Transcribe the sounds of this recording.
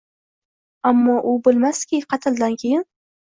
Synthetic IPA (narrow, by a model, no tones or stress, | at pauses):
amːɒʔʊbɪlˠmaskʲɪqʰɑt̪ʰɪlˠd̪ankʲʰejɪn